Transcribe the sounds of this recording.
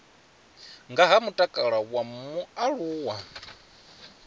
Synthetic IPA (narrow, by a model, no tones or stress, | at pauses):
ŋɡaɦamutʼakʼaɺawamuaɺuːwa